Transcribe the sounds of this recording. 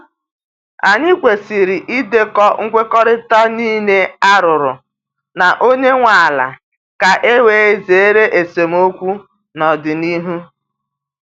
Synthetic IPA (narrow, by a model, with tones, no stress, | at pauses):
a˨ɲɪ˦kʷe˨si˨ɾi˨ʔi˦de˦kɔ˦ŋ̩˦kʷe˦kɔ˦ɾɪ˦ta˦niː˦ne˦a˦ɾʊ˨ɾʊ˨ | na˨ʔo˦ɲe˦ŋʷa˨a˨la̰˨ | ka˨ʔe˦we˨˦e˦ze˨e˦ɾe˦ʔe˨se˨m̩˦o˦kʷu˦ | nɔ˨dɪ˨ni˦ɦu˦